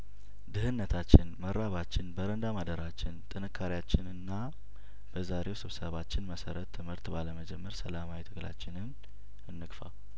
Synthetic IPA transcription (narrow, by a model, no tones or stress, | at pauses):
d̪ɨhɨnːət̪ʰat͡ʃːɪnməɾːaβat͡ʃːɪnbəɾənd̪amad̪əɾat͡ʃːɪnt̪ʼɨnɨkʰːaɾijat͡ʃːɪnɨnːa | b̥əzaɾe̞wsɨβsəβat͡ʃːɪnməsəɾət̪ʰːɨmhɨɾt̪baləməd͡ʒɛmːəɾsəlamawit̪ʰɨɡla̰t͡ʃːɪnɨn | ɨnːɨkfa̰